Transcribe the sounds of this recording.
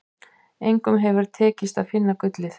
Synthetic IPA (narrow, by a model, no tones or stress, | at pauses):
ejŋkʏmɦɛvʏɾ̥t̪ʰɛːcɪst̪aðfɪnːakʏt̪lɪθ